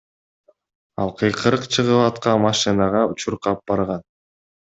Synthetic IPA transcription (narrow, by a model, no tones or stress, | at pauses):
ɑ̰lˠqʰɯjqʰɯɾɯqt͡ʃʰɯʁɯpɑt̪qɑmɑʃɨnɑʁɑut͡ʃuɾqɑp̚b̥ɑɾʁɑn